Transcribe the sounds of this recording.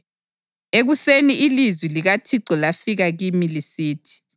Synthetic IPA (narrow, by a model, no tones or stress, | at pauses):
eɣuseniilizwiliɣatʰiǀɔlafiɣaɣimilisiːtʰi̥